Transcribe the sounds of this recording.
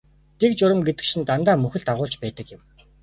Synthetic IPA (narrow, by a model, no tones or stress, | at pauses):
t̪ʰekt͡ɕʊɾə̆mɡet̪ɘ̥̆kʃĭnt̪ant̪aːmɵxɘ̆ɮt̪aʁʊːɮt͡ɕpæːt̪ə̆kjɪ̆m